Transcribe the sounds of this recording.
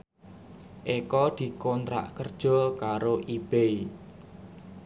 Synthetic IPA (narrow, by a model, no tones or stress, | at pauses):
ʔekɔd̪̥i̤kɔnt̪ɾa̰ʔkərd̥ʒ̥ɔ̤kaɾoʔib̥ei